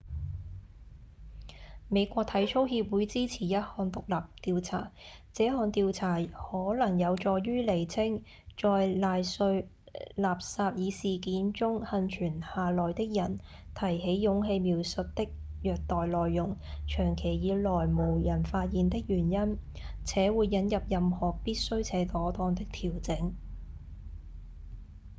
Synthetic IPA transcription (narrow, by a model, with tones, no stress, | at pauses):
me˨˧jkʷɔː˧k̚t̪ʰɐ˨˥jt͡sʰo˥whiː˧p̚wuː˨˥jt͡siː˥t͡sʰiː˨˩jɐ˥t̚hɔː˧nt̪ʊ˨k̚laː˨p̚t̪iː˧wt͡sʰa̰ː˨˩t͡sɛː˨˥ɦɔː˧nt̪iː˧wt͡sʰaː˨˩hɔː˨˥lɐ˨˩ŋjɐ˨˧wt͡ʃɔː˨˧ɥyː˥le˨˩jt͡sʰɪ˥ŋ | t͡ʃɔː˧jlaː˨˧jsɵ˧ɥ | laː˨p̚saː˧p̚jiː˨˧siː˨˩kiː˨˥nt͡sʊ˥ŋhɐ˧nt͡ʃʰyː˨˩nhaː˨lɔː˨jt̪ɪ˥k̚jɐ˨˩n | t̪ʰɐ˨˩jɦe˨˥jːʊ˨˥ŋɦe˧jmiː˨˧wsɵ˨t̚t̪ɪ˥k̚jœː˨k̚t̪ɔː˨jlɔː˨jːʊ˨˩ŋt͡ʃʰœː˨˩ŋkʰe˨˩jjiː˨˧lɔː˨˩jmo˨˩wjɐ˨˩nfaː˧t̚jiː˨˧nt̪ɪ˥k̚jyː˨˩njɐ˥n | t͡sʰɛː˨˥wuː˨˧jːɐ˨˧˥njɐ˨p̚jɐ˨mhɔː˨˩piː˥t̚sɵ˥ɥt͡sʰɛː˨˧˥t̪ɔː˨˥t̪ɔː˧ŋt̪ɪ˥k̚t̪ʰiː˨˩wt͡sɪ˨˥ŋ